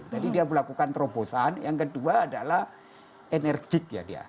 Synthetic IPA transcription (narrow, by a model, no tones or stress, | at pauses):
t̪adidiabəlakukant̪ɾoposanjaŋkəduaːdalah | enɛrɡɪk̚ja̰dia̰